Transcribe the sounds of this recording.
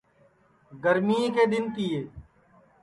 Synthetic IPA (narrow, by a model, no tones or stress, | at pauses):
ɡəɾmiːeked̪ɪnkijeː